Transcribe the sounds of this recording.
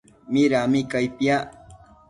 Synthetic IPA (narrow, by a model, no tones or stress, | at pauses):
mɪɾamɪkajpja